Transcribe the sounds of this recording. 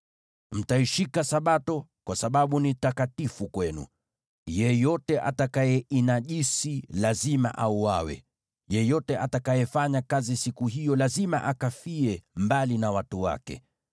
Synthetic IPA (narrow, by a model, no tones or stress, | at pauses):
m̩taiʃikasaɓatɔkwasaɓaɓunitakatifukwɛnṵ | jɛjɔtɛʔa̰takajɛʔinaʄisilazima̰ʔauwawɛ̰ | jɛjɔtɛʔatakajɛfaɲakazisikuɦijɔlazima̰ʔakafiɛmbalinawatuwa̰kɛ̰